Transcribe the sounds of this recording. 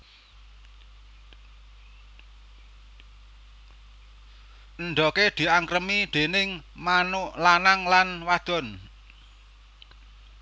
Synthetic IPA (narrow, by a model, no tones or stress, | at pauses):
ʔənɖ̪ɔked̪̥i̤ʔaŋkɾəmid̪̥e̤nɪŋmanʊʔlanaŋlanwad̪̥ɔ̤n